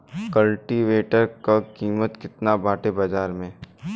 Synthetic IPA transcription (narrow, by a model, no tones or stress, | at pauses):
kɐlʈiʋeːʈəɾkakiːmət̪kɪt̪nabaːʈebɐd͡ʒaːɾmẽ